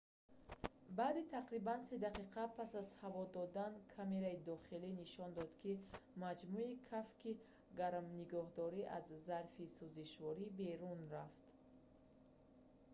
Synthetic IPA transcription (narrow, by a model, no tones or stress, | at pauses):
baːd̪it̪ʰaqɾibansed̪aqiqʰapʰasazhavɔd̪ɔd̪ankʰame̞ɾaid̪ɔχiliniʃɔnd̪ɔd̪kʰimad͡ʒmuikʰafki | ɡaɾmniɡɔhd̪ɔɾiʔazːaɾfisuziʃvɔɾibe̞ɾunraft̪